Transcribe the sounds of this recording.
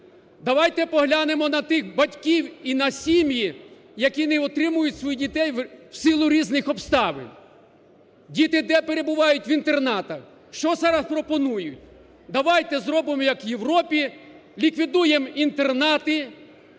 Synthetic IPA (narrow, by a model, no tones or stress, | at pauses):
d̪ɐʋɑjt̪ɛpɔɦlʲanemɔnɐt̪ɪxbɐtʲkʲiwinɐsʲimʲji | jɐkʲinɛɔt̪ɾɪmʊjʊtʲsʋɔjidʲit̪ɛjwsɪlˠʊɾʲiznɪxɔpst̪ɑʋɪ̰nʲ | dʲit̪ɪd̪ɛpe̞ɾe̞bʊʋɑjʊtʲʋint̪e̞rnɑt̪ɐx | ʃt͡ʃɔzɑɾɐspɾɔpɔnujʊtʲ | d̪ɐʋɑjt̪ɛzɾɔbɪmɔjɐkʋjeʋɾɔpʲi | lʲikʋʲid̪ujemint̪e̞rnɑt̪ɪ